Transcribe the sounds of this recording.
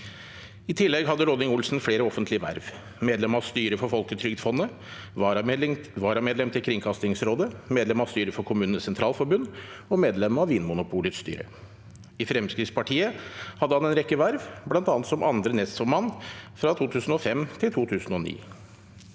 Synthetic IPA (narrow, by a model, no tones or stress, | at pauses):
ɪt̪ʰɪlːɛɡɦɑd̪ːəɾɔd̪ɪŋʊlsn̩fleːɾəɔfənt̪lɪəʋæ̰ɾʋ | meːd̪ɛmɑst̪yːɾəfɔɾfɔlkət̪ʰɾʏɡd̪fɔnːə | ʋɑːɾɑmeːd̪lɛmt̪ʰɪlkʰɾɪŋkʰɑst̪ɪŋsɾoːd̪əmeːd̪lɛmɑst̪yːɾəfɔɾkʰʊmʉːnnəsɛnt̪ʰɾɑːlfɔɾbʉnː | ɔmeːd̪lɛmɑʋʋiːnmʊnʊpʰuːlɪt̪st̪y̰ːɾə̰ | ɪfɾɛmskɾɪːt̪spʰɑʈʰiːəhɑd̪ːəhɑnɛnɾɛkːəʋæɾʋblɑnt̪ɑːnt̪sɔmʔɑnd̪ɾənɛst̪fɔɾmɑnːfɾɑt̪ʰuːt̪ʰʉːsn̩ɔfɛmt̪ʰɪlt̪ʰuːt̪ʰʉːsn̩ɔnḭː